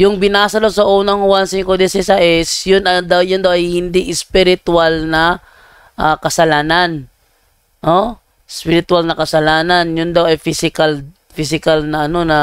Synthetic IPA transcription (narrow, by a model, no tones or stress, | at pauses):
jʊŋbɪnaːsɐd̪ɐwsɐʔuːnɐŋhʊwansɪŋkod̪ɛsɛsaʔɛsjʊnɐd̪awjʊnd̪ɐwʔɐjhɪnd̪iʔɪspɪɾɪt̪ʊalnɐ | ʔakɐsɐlaːnɐn | ʔo | spɪɾɪt̪ʊalnɐkɐsɐlaːnɐnjʊnd̪ɐwɐjfisɪkɐl | fis̬ɪkɐlnɐʔɐno̞nɐ